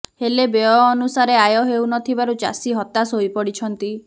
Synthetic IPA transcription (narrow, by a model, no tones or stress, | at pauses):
helebeɔːnusaɾeajɔɦewnɔt̪ʰibaɾud͡ʒa̰siɦɔt̪asojpɔɽit͡ʃʰɔnt̪i